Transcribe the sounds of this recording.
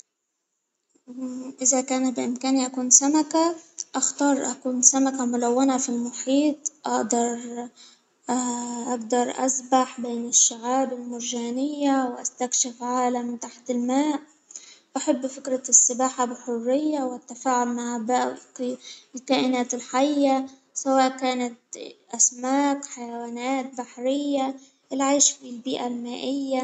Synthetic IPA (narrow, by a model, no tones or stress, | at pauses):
ʔɪzakaːnbɪʔɪmkaːniʔakuːnsamakaʔaxt̪ɑːɾˤʔa̰kuːnsamakamʊlawːanafilmʊħiːt̪ˤʔɑ̰ʔd̪ɑɾˤ | ʔaɡd̪ɑɾˤʔa̰sbaħbeːnɪʃːaʕaːbɪlmʊɾʒaːnɪjːawɪʔast̪akʃɪfʕaːlamːɪnt̪aħt̪ɪlmaːʔ | ʔaħabːfɪkɾasːɪbaːħabɪħʊrːɪjːawʔat̪ːafaːʕʊlmaʕbaʔ | ɪlkaːʔɪnaːt̪ɪlħajːa | sawaːʔkaːnat̪̚ʔasmaːkħajawaːnaːt̪̚baħɾɪjːa | ʔɪlʕiːʃfilbiːʔalmaːʔɪjːa